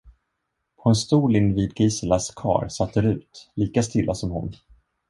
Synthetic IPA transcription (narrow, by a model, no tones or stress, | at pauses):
pʰɔɛnst̪uːlɪnviːd̪̚ɡiːsəlaskʰɑ̰ːɾsat̪ʰd̪ɛɾʉ̟ːt̪liːkast̪ɪlːʔasɔmhʊ̰n